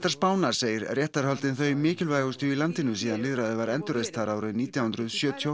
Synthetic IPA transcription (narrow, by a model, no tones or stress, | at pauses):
t̪aɾspaːwnaɾ̥seːjɪɾrjɛht̪aɾ̥hɔlt̪ɪnθœɥmɪːcɪlvajɣʏst̪ʏilant̪ɪnʏsiːðanlɪðɾaðɪvaɾɛnt̪ʏɾejst̪ʰaɾaːwɾɪniːt̪jawhʏnɾʏðsjœːt̪ʰjo